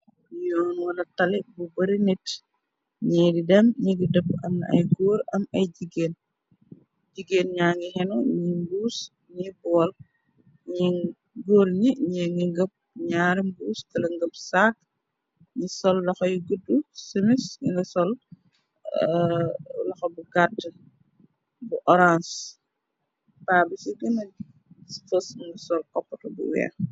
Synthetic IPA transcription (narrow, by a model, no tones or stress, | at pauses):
ɲɔːnwɐlɐtɐlibubɐɾinit | ɲɛjdidɛmɲiɡidəp̚ːɐmɐ̰jɡoːɾɐmɐjɟiɡeːn | ɟiɡeːnɲaːŋɡihɛnuɲimbuːs | ɲibɔːl | ɲi | ɡoːɾɲiɲɛŋɡiŋɡəp̚ɲaːɾimbuːskɐlɐŋɡəpsak̚ | ɲisɔlːɐxɔjiɡədːusəmisɲiŋɡɐsɔl | lɐxɔbuɡatː | buʔɔɾans | paːbisiɡɐnɐ | sfəsŋɡɐsɔlkɔpːɐtɐbṵwɛ̰ː